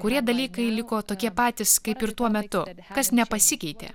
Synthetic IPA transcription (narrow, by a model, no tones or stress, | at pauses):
kʊɾʲiɛd̪ɐlʲiːkɐɪlʲɪkoːt̪oːkʲiɛpɑːt̪ʲɪskɐɪpɪɾt̪uɔmʲɛt̪ʊkɐsnʲɛpɐsʲɪkʲɛɪt̪ʲḛː